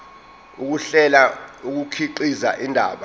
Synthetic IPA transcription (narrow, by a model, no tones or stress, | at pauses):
uk̬uɬɛlauk̬ukʰiǃiza̰ʔindʱa̰ːɓa